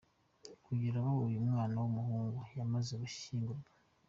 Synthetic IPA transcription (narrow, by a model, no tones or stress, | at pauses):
kuɟiɾaβawujumŋaːnawumuɦuːŋɡujamazeɡuʃiːŋɡuɾɡa